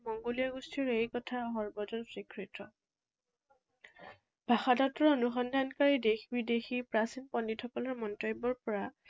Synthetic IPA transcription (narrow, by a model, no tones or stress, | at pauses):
mɔŋɡolijaɡustʰiɹejkɔtʰaɦɔɹbɔzɔnsɹikʰɹitɹɔ | b̥ʱaxadatɔɹonuxɔndʱankaɹidexbidexipɹasinpɔnːitʰɔkɔlɔɹmɔntɔbɔɹpɔɹa